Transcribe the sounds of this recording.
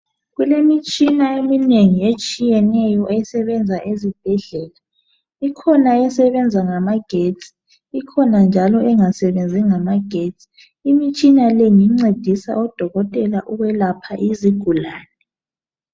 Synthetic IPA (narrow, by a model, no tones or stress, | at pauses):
ɣulemit͡ʃʼinaemineŋiet͡ʃʼijɛnɛjɔʔɛsɛβɛnd͡zʱaʔezib̥̚ʱɛɮɛːla | ikʰɔnaɛsɛβɛnd͡zʱaŋamaɡ̥ʱetʼi̥ | ikʰɔnand͡ʒʱalɔɛŋasɛβend͡zʱiŋamaɡ̥ʱetʼi̥ | imit͡ʃʼinaleŋiŋ͡ǀed̥ʱisa̰ɔd̥ʱɔɣɔtʼɛlaʔuɣwɛlapʰa̰ʔiziɡ̥ʱulaːnɛ